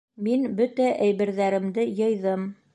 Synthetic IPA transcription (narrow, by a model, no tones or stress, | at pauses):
minbɵt̪æʔæjβɘ̆ɾðæɾɘ̆md̪ɘjɤ̆jðɤm